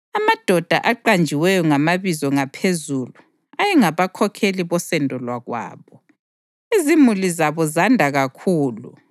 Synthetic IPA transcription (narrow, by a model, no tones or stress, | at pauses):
amad̥ʱɔd̥ʱa̰ʔaǃand͡ʒʱiwɛjɔŋamaβizɔŋapʰezulu | ajɛŋaβakʰɔkʰeliβɔsɛndʱɔlwaɣwa̰ːβɔ | izimulizaβɔzandʱaɣakʰuːlṵ